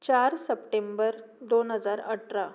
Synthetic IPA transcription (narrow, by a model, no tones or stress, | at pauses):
t͡ɕaɾsəpʈembəɾ | d̪onɦəd͡zaɾəʈɾa